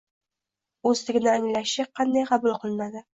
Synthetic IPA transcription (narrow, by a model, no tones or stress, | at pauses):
ɵzt̪ɪɡʲɪnɪamɪlaʃɪqʰɑnd̪ajqʰɑbʊlˠqʰɨlˠɪnad̪ɪ